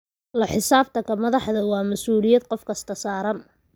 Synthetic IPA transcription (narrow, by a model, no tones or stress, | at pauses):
lɐħɪsaːbt̪ʰɐkʰɐmɐðɑħðɐwɑːmɐsuːlɪjɐd̪̚qɔfkʰɐst̪ʰɐsaːɾɐn